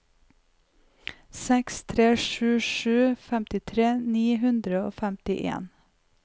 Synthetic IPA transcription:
sɛkst̪ʰɾeːʃʉːʃʉːfæmt̪ɪt̪ʰɾeːniːɦʉnd̪ɾəo̰ːfæmt̪ɪʔḛːn

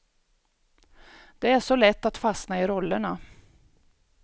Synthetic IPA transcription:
d̪̥ɛæʂɔlɛt̪ːat̪fasnaɪɾɔlːəɳa

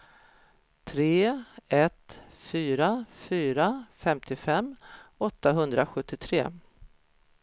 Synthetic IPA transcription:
t̪ʰɾeːɛt̪ | fyːɾafyːɾafɛmt̪ʰɪfɛmːɔt̪ːaɦɵnd̪ɾaɧɵt̪ːɪt̪ʰɾeː

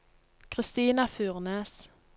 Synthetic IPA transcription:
kʰʁɪst̪iːnɑfʉːʁneːs

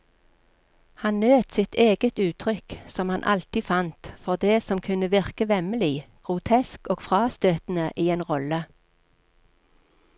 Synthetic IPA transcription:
hɑnnøːt̪sɪt̪ʰeːɡət̪ʉːt̪ʰʁʏksɔmhɑnʔɑ̰lt̪iːfɑnt̪fɔʁd̪eːsɔmkʰʉnəʋɪʁkəʋɛməliːɡ̥ʁʊt̪ʰɛskoːɡfʁɑːst̪øːt̪n̩əʔiːeːnʁɔlə

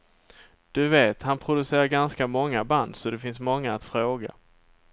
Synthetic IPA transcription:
d̪̥ɵveːt̪hanpʰɾʊd̪ɵseːɾaɾɡanskamɔŋːaband̪sɔd̪ɛfɪnsmɔŋːaːt̪fɾoːɡa̰

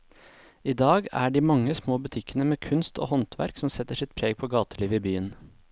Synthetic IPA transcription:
iːd̪ɑːɡæ̰ːɖiːmɑŋːəsmoːbʉt̪ʰɪkːənəmeːkʰʉnst̪ʰo̰ːhɔnt̪ʰʋæ̰ɾksɔmsɛt̪ːəʂɪt̪̚pʰɾeːɡ̚pʰoːɡɑːt̪əliːʋəiːbyːən

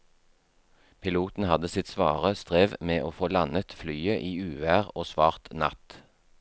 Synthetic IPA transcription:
pʰɪluːt̪n̩hɑd̪əsɪt̪sʋɑ̰ːʁəst̪ʁeːʋmeːʔoːfoːlɑnət̪flyːəʔiːʉːʋæːʁoːsʋɑːʁt̪nɑ̰t̪

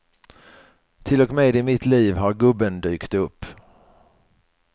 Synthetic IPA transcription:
t̪ʰɪlɔkmeːd̪ɪmɪt̪liːvɦaɾɡɵbːənd̪yːkt̪ɵpː

